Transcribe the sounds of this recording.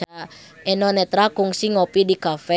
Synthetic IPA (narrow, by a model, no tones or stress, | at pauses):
a | enɔnɛt̪ɾakʊŋsiŋopidikafɛ